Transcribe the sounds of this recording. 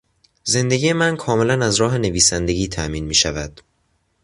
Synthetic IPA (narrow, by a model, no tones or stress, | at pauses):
ze̞nd̪e̞ɡiːje̞mænkʰɒːme̞lænæzɾɒːɦe̞ne̞viːsænd̪e̞ɟʲiːt̪ʰæʔmiːnmiːʃævæd̪̥